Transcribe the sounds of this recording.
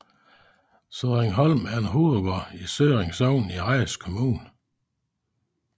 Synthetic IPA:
søðˠʁeŋɦɒlmæɐenɦuːoɡ̥ɒisøːʁeŋsɒʊ̰niʁɑɪskʰomuːn

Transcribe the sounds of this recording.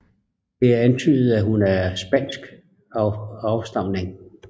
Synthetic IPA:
d̥e̝æɐænt͡sʰy̰ːð̩ˠæɦunæɐsb̥æn̰sɡ̥ | ɑʊsd̥ɑ̈m̰ne̝ŋ

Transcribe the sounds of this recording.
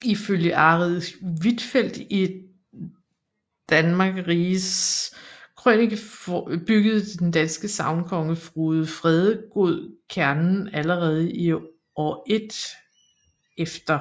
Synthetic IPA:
iføljəʔɑ̈ʁiðˠʋid̥fel̰d̥i | d̥ænmɑ̈ːɡ̥ʁiːs | kʰʁønɡ̥b̥yɡ̥əð̞̩ˠəd̥end̥ænsɡ̥əsɑ̈ʊnkʰɒ̽ŋəfʁuːðˠfʁɛð̞ˠəɡ̥o̝ð̰ˠkʰæɐnn̩æləʁɛːð̞ˠəi | ɒʔe̝d̥ | efd̥ɐ

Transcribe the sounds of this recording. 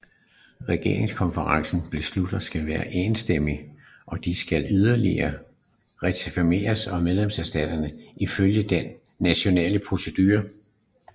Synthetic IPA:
ʁɛɡ̥e̝̰ɐ̰eŋskʰɒ̽nfəʁɑ̈ŋsn̩b̥le̝slud̥ð̩ˠsɡ̥ælʋæːɐʔeːnsd̥em̰i | ʔɒ̽d̥isɡ̥ælyð̞ˠɐlḭɐ | ʁɛt͡sʰfime̝̰ːɐsɒ̽með̞ˠlemsæɐsd̥ɛ̰ːd̥ɐnəiføljəd̥enː | æɕo̝nɛ̰ːləpʰʁo̝səd̥yːɐ

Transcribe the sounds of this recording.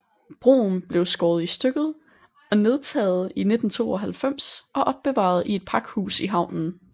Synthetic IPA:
b̥ʁo̝̰ːn̩b̥le̝ʊsɡ̥ɒːðˠisd̥øɡ̥ð̩ˠ | ɒ̽ne̝ð̞ˠt͡sʰɛ̰ːð̞̩ˠine̝d̥n̩t͡sʰo̝̰ːɒ̽ɦælfem̰sɒ̽ʔɒ̽b̥ːe̝ʋɑ̰̈ð̞̩ˠie̝d̥̚pʰɑ̈ɡ̥hṵːsiɦɑ̈ʊ̰nn̩

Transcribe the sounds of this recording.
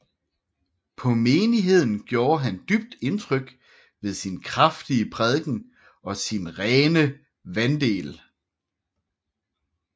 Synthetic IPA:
pʰɒ̽me̝ːniɦe̝ð̞̰ˠn̩ɡ̥jo̝ːɐɦænd̥yb̥̚d̥e̝nt͡sʰʁœɡ̥ | ʋe̝ðˠsinkʰʁafd̥iəpʰʁɛð̞ˠɡ̥n̩ | ɒ̽sinʁɛːnə | ʋænd̥e̝̰ːl

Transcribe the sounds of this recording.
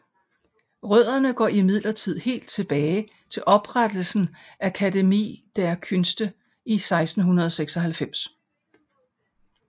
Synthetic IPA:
ʁœð̰ˠɐnəɡ̥ɒ̰ːimið̰ˠlɐt͡sʰið̞̰ˠhe̝̰ːld̥t͡sʰe̝b̥ɛːɪ | t͡sʰe̝lʔɒ̽b̥ʁad̥l̩sn̩ækʰædemḭːd̥æɐkʰønsd̥ə | isɑ̈ɪsd̥n̩ɦunɐð̞ˠɒ̽seɡ̥sɒ̽ɦælfem̰s

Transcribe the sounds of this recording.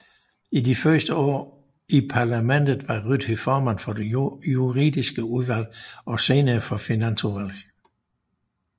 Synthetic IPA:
idifɶɐsd̥əɒ̰ː | ipʰɑ̈ːlæmen̰d̥ð̩ˠʋɑ̈ʁyd̥ifɒːmæn̰fɒ̽de̝juʁḭːdˠisɡ̥əuðˠʋæl̰ɒ̽se̝ːnɐːfɒ̽finænsuʋæl̰

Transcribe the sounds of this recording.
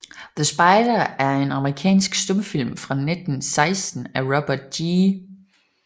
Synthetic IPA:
ðəsb̥ɑ̈ɪd̥ɐæɐe̝nɑ̈məʁikʰɛ̰ːnsɡ̥sd̥ɔ̽mfil̰mfʁɑ̈ne̝d̥n̩sɑ̈ɪsd̥n̩æʁɒb̥ɐd̥iː

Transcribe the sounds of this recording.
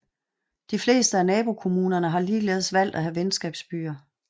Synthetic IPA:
d̥ifle̝̰ːsd̥əænɛːb̥o̝kʰo̝muːnɐnəɦɑ̈liːleːðˠsʋæl̰d̥æɦæʋensɡ̥ɛːb̥sb̥y̰ːɐ

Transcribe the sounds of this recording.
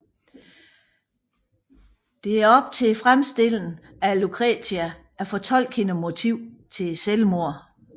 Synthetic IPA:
d̥e̝æɐɒ̽b̥̚t͡sʰe̝fʁamsd̥e̝l̰n̩ | ælukʰʁɛt͡sʰiæ | æɐfɒ̽t͡sʰɒ̽l̰ɡ̥he̝nəmo̝t͡sʰiʊ̰t͡sʰe̝selmo̝ɐ̰

